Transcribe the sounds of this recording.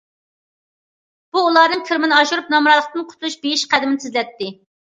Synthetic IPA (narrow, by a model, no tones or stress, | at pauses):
b̥uːlˠɑd̪ɨŋkʲʰiɾmɪnɨɑʃuɾup̚nɑmɾɑlˠəqt̪ɨnqʰʊ̥t̪ʰlˠuʃbejiʃqʰæd̪ɪmɪnɪt̪ʰɪzlɛt̪ːɪ